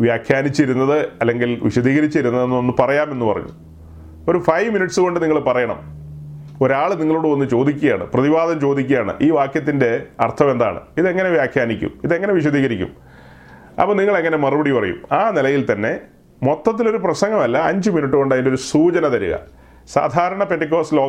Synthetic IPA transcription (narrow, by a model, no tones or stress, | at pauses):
ʋjaːkʰjaːnit͡ɕːiɾunːɐðɨɐlːe̞ŋɡilʋiɕɐd̪iːɣɐɾit͡ɕːiɾunːɐðenːonːɨpɐrɐjaːme̞nːupɐrɐ̰ɲːṵm | o̞ɾufɐjʋminiʈsɨko̞ɳɖɨniŋːɐɭpɐrɐjɐɳɐ̰m | o̞ɾaːɭniŋːɐɭoːɽɨʋɐnːɨt͡ɕo̞ːd̪ikʲːuɣejaːɳɨ̰prɐðibaːd̪ɐmt͡ɕo̞ːd̪ikʲːɐjaːɳɨ̰ʔiːʋaːkjɐt̪ːinde̞ɐ̰rt̪ʰɐme̞nd̪a̰ːɳɨ̰iðe̞ŋːɐne̞ʋjaːkʰjaːnikʲːṵmiðe̞ŋːɐne̞ʋiɕ̬ɐd̪iːɣɐɾikʲːṵm | ɐ̰pːɐniŋːɐɭe̞ŋːɐne̞mɐrɨbɐɽipɐrɐ̰jṵmaːnilɐjilt̪ɐnːe̞ | mo̞t̪ːɐt̪̬ːilo̞ɾuprɐsɐŋɡɐmɐlːɐɐɲd͡ʑɨminiʈ̬ːɨko̞ɳɖaɐðindeo̞ɾusuːt͡ɕɐnɐt̪ɐɾuɣɐ̰ | sa̰ːd̪ʱaːɾɐɳɐpeʈːik̬ːoːsloː